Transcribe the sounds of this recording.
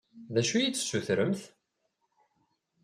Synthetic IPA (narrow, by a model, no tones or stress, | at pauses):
ðæʃujit͡sːsːuθɾəmθ